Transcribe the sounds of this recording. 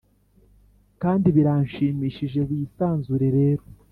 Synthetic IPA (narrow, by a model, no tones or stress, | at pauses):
kaːndiβiɾanʃiːmiːʃiʒe̞βiːsaːnzuɾe̞ɾe̞ːɾo